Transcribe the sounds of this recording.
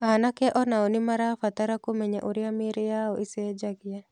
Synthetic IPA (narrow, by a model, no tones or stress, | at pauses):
anakɛʔɔnaɔnɪmaɾafat̪aɾakomɛɲaʔoɾɪamɪɾɪjaɔʔised͡ʒaɡɪja